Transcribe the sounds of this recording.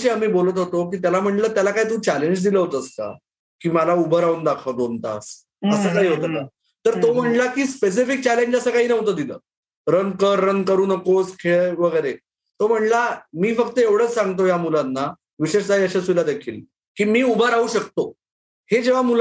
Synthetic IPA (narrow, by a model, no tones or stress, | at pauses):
ɕeamiːbolət̪̬ɦot̪ok̬iːt̪jalam̤əɳləːt̪jalakaɦit̪̬ũːt͡ɕɛleɲd͡ʑd̪iləɦot̪əska̰ | kiːməlaubʱəɾaund̪akʰəd̪ont̪a̰s | əəːkaɦiːɦot̪əka | t̪əɾt̪om̤əɳlakiːspes̬ifik̚t͡ɕæleɲd͡ʑəsəkaɦiːnəɦot̪əd̪ilə̰ː | ɾənkəɾːənkəɾuːnəkoskʰeɭʋəɡəjɾe | t̪om̤əɳlamiːfəkt̪əeʋɽ̤əːt͡ssãŋɡt̪̬ojamulanːa | ʋiɕeʂt͡saɦiəɕasujlad̪ekʰiːl | kiːmiːubʱəɾauːɕək̚t̪o | hed͡ʑeʋ̤amul